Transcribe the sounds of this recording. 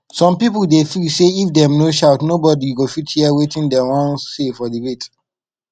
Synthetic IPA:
sɔ̃mpipəldefiseifdɛ̃mnoʃaʊtnobɔdiɡofithiəwetĩndɛwɔ̃nsːefɔdiwet

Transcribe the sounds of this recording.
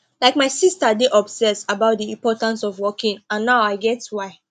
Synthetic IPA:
laɪk̚maɪsistadeʔɔbsɛsabaʊt̚diĩmpɔtãnsɔvwɔkĩŋãnːaʊaɪɡɛtwaɪ

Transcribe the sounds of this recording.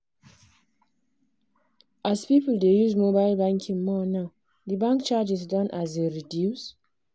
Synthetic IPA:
ʔazpipəldejuzmobaɪlbãŋkʰĩŋmɔna | dibãŋk̚t͡ʃad͡ʒizdɔ̃nʔazeɹidjus

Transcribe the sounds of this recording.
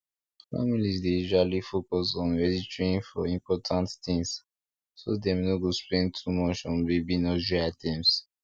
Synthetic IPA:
fa̰milizdeiʃwalifokɔsɔ̃nɹɛditɹĩnfɔĩmpɔtʰãnttĩŋs | sodɛ̃mnoɡosplɛ̃ntʰumɔt͡ʃɔ̃nbebinɔd͡ʒiatʰɛ̃ms

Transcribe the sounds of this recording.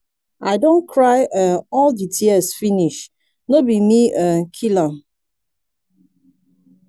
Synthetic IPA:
aɪdõnkʰɹaɪʔəɔlditʰiɛsfiniʃ | nobimiəkʰila

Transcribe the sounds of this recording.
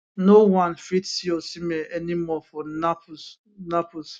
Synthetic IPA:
nowãnfitsiɔsimɛʔɛnimɔfɔna | napos

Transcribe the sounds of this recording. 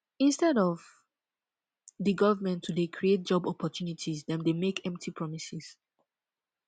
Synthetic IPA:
ĩnstɛɾɔv | ðɨɡʌvəmɛ̃ntʰudekʰɹiet̚d͡ʒɔbɔpɔtʰjunitʰizðɛ̃mdemekʰɛ̃mp̚tʰipʰɹɔmisɪz̥

